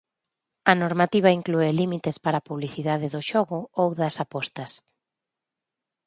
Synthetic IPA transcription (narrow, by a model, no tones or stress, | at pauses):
ɐnoɾmat̪iβ̞ɐiŋkluelimit̪espaɾapuβliθiðað̞ɪðoʃɔɣʊowðɐsapɔst̪ɐs